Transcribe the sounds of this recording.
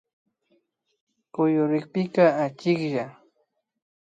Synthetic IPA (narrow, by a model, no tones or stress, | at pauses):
kʊjʊɾɪkpɪkaat͡ʃɪkʒa